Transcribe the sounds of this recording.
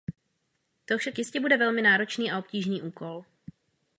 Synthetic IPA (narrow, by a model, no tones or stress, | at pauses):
t̪ofʃakjɪscɛbudɛvɛlmɪnaːɾo̞t͡ʃniːao̞pciːʒniːʔuːko̞l